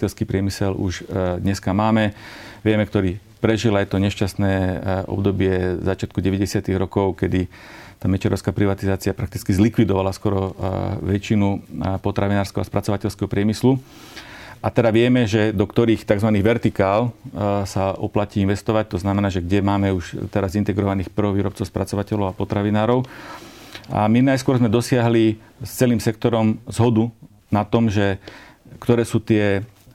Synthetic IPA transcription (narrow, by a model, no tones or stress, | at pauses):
ɛlskiːpɾɪɛmisɛlṵʒd̪ɲɛskamaːmɛʋɪɛmɛkt̪ɔɾiː | pɾɛʒilajt̪ɔɲɛʃcast̪nɛːʔɔ̰bd̪ɔbɪɛzat͡ʃɪat̪̚kuɟɛʋɛɟɛsɪat̪iɣɾɔkɔʊkɛd̪i | t̪aːmɛt͡ʃɛɾɔʊskaːpɾiʋat̪izaːt͡siɪapɾak̚t̪it͡skizlikʋid̪ɔʋalaskɔɾɔʋɛt͡ʃinupɔt̪ɾaʋinaːɾskɛɦɔaspɾat͡sɔʋacɛʎskɛɦɔpɾɪɛmislu | at̪ɛd̪aʋɪɛmɛʒɛd̪ɔkt̪ɔɾiːxt̪aɡzʋaniːɣʋɛɾt̪ikaːlsaɔplaciːinʋɛst̪ɔʋac̚t̪ɔznamɛnaːʒɛɡɟɛmaːmɛuʃt̪ɛɾazint̪ɛɡɾɔʋaniːxpr̩ɦɔʋiːɾɔp̚t͡sɔʊspɾʔat͡sɔʋacɛʎɔʊapɔt̪ɾaʋinaːɾɔʊ | a̰minajskʊɔɾzmɛd̪ɔsɪaɦli | st͡sɛliːmsɛk̚t̪ɔɾɔmzɦɔd̪u | nat̪ɔmʒɛ | kt̪ɔɾɛːsuːt̪ɪɛ